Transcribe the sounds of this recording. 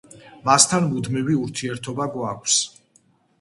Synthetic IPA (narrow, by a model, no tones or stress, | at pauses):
mast̪ʰanmud̪miviuɾt̪ʰiɛɾt̪ʰɔbaɡwakʷʰs